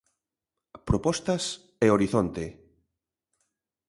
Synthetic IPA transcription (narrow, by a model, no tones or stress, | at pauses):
pɾopɔst̪ɐs | eoɾiθont̪e